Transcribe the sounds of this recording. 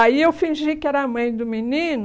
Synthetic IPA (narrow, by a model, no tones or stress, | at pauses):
aiewfĩʒikɪɛɾɐːmɐ̃j̃d̪ʊminĩnʊ